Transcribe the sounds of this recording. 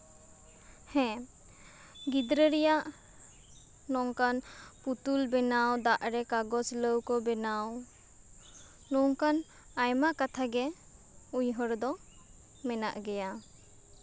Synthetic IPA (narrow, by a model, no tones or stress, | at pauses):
hɛ̃ | ɡid̪ɾəɾɛjaʔ | nɔŋkanput̪ulbɛnawd̪aʔɾɛkaɡɔsləwkɔbɛnaw | nɔŋkan | ajmakat̪ʰaɡɛ | uɲɦɔɾd̪ɔ | mɛna̰ʔɡɛja